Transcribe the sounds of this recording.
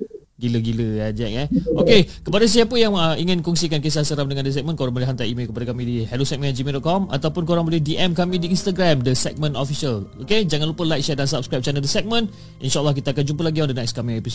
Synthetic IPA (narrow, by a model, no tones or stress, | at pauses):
ɡiləɡiləjad͡ʒɛʔk̚ɛokekəpadas̬iapəjaŋəiŋɪnkɔŋsikankes̬asəɾamdəŋãndəs̬ɛk̚mə̃nkoɾaŋməliɦant̪aaʔimelkəpadakamĩdihɛlusɛk̚mə̃nad͡ʒimidɔt̪̚kɔma̰t̪awpʊnkoɾaŋbəlɛhdiʔɛmkamĩdiːnst̪aɡɾamdəsɛk̚mə̃nɔfisaloked͡ʒaŋanlupəlajk̚t͡ʃɛt̪̚dansap̚skɾajp̚t͡ʃanədəsɛk̚mə̃n | ʔḭnʃaʔlːahk̬it̪aakand͡ʒumpəlaɡiõndənakskamiŋepis